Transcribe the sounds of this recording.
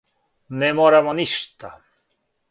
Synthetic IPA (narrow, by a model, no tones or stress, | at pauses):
nemɔɾamɔniʃt̪a